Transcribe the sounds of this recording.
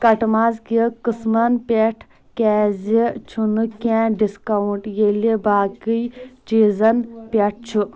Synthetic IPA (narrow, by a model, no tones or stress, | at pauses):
kɐʈmaːzkikɨsmɐnpʲeʈʰ | kʲɛːzit͡ʃʰunɨkɛ̃ːɖiskɐwuɳʈjelibaːkijt͡ʃiːzɐnpʲeʈ̚ʰt͡ʃʰu